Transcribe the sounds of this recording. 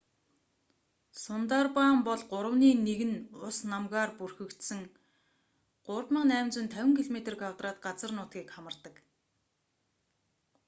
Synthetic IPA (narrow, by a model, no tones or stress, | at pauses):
sʊnt̪arpaːmpɔɮɢʊɾə̆wniːneɣɘ̆nʊsnamɣaːrpurxɵ̆kt̪sɘ̆ŋ | ɢ̥ʊrt̪mə̆næːmt͡sɪ̆nt̪ʰæwʲɪ̆ŋkʰiɮomet̪̆rkʰwawt̪raːt̪̚ɢat͡sə̆rnʊːt̪̚ɡiːkχamə̆r̥t̪ə̆k